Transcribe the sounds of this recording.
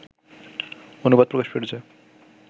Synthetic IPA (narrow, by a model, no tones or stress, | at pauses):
onubad̪̚pɾokaʃpeɽt͡ɕʰe